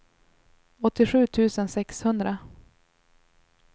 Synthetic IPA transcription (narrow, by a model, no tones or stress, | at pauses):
ɔt̪ːɪɧʉ̟ːt̪ʰʉ̟ːsənsɛkshɵnd̪ɾa